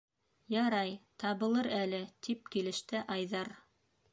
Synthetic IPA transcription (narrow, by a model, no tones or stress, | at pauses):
jɑɾɑjt̪ɑβɤ̆lˠɤɾælɘt̪ʰip̚kilɘ̆ʃt̪ɘʔɑjðɑɾ